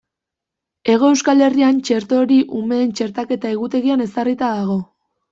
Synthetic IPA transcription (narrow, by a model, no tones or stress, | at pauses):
e̞ɣo̞e̞wskale̞riant͡ʃe̞ɾt̪o̞ɾiʔume̞ːnt͡ʃe̞ɾt̪ake̞t̪aeɣut̪e̞ɣiane̞sarit̪aðaɣ̞o̞